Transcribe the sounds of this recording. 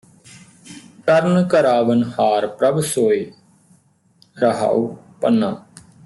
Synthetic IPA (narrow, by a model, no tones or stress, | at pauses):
ʈəɾnkəɾaːʋənhaːɾpɾəbsoːeː | ɾəɦa̰ːuː | pənːaː